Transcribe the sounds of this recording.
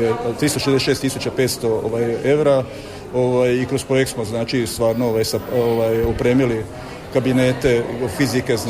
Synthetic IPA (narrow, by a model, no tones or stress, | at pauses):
et̪ɾist̪oʃezd̪eʃe̞ːst̪isut͡ɕapet̪st̪o̞o̰ʋaːje̞ʋɾa | oʋaːjikɾospɾo̞jekt̪smoznaːt͡ʃist̪ʋaːɾnooʋaːjsaoʋaːjupɾeːmili | kabine̞ːt̪e̞fizike̞z